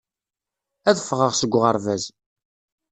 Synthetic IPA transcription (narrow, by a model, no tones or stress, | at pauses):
æðəfːʁəʁsəɡʷːʁəɾˤvæz